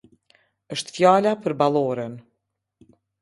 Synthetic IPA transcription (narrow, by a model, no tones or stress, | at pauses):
əʃt̪fjalapəɾbalˠɔɾən